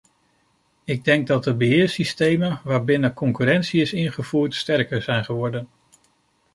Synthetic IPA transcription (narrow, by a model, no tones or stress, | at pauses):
ɪɡ̚dɛŋɡ̚dɑt̚dəbəɦɪːɹsistejmənʋaːɹbɪnəkɔŋkyːɾɛntsiɪsɪnχəv̥uːɹtstɛɹkəɹzɛjnχəʋɔɹdən